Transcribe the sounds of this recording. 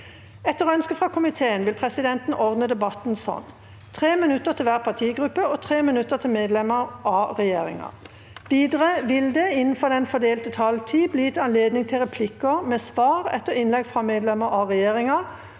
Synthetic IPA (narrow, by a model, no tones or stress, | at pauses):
ɛt̪ːəʁɔœnskəfʁɑkʰʊmɪt̪ʰeːənʋɪlpʰʁɛsɪd̪ɛnt̪n̩ʔɔʁd̪nəd̪ɛbɑt̪n̩sɔ̰n | t̪ʰʁeːmɪnʉt̪əʁt̪ʰɪlʋæːʁpʰɑt̪ʰiːɡʁʉpːəɔt̪ʰʁeːmɪnʉt̪ət̪ʰɪlmeːd̪lɛməʁɑʁɛjeːʁɪ̰ŋɑ̰ | ʋiːd̪əʁəʋɪld̪ɛɪnn̩fɔʁd̪ɛnfɔd̪eːlt̪ət̪ʰɑlt̪ʰiːbliːt̪ʰɑnleːd̪nɪŋt̪ʰɪlʁɛpʰlɪkəmɛsʋɑːʁɛ̰t̪ːəʁɪnlɛɡfʁɑmeːd̪lɛməɑʁɛjeːʁɪŋɑ